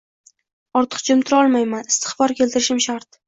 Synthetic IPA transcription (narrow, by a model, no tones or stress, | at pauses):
ɒɾt̪ʰɨ̥qt͡ʃʰʊmt̪ʰɪɾɒlˠmajmanɪst̪ɪ̥χbɒɾkʲʰe̞lt̪ɪɾɪʃɪmʃaɾt̪̚